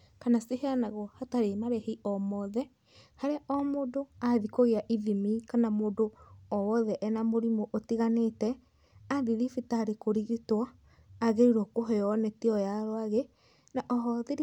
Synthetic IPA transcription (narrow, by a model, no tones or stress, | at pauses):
kanaseheanaɣwɔhataɾemaɾɛheiʔɔmɔðɛ | haɾeaʔɔmodoaðikoɣeaʔiðimikanamoːdoɔwɔðɛʔɛnamoɾimoʔotiɣanetɛ | adiɾifitaɾekoɾiɣitwaː | ɣeiɾɔkoɦɛjɔnɛtiɔjaɾoaɣe | naʔɔɦɔðeɾ